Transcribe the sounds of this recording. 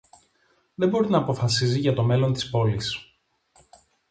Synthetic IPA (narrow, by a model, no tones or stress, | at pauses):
ðe̞bo̞ɾinɐːpo̞fɐsiziʝɐt̪o̞me̞lo̞nt̪i̥spo̞lis